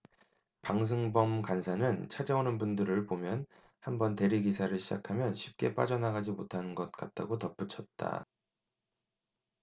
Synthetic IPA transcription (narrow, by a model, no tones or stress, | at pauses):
paŋs̬ʰɯŋbʌmkansʰanɯnt͡ɕʰad͡ʑaonɯnbundɯɾɯɭbomjʌn | hambʌnte̞ɾiɡisʰaɾɯɭɕʰid͡ʑakʰamjʌnɕʰip̚k͈e̞p͈a̰d͡ʑʌnaɡad͡ʑimotʰanɯnɡʌt̚k͈at̚t͈a̰ɡotʌp͈ut͡ɕʰʌt̚t͈a̰